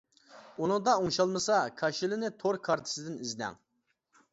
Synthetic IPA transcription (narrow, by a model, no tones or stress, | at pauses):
unuŋd̪ɑuŋʃɑlˠmɨsɑkʰɑʃilɪnɪt̪ʰoɾkʰɑɾt̪ʰɨ̥sɨd̪ɪniznɛ̰ŋ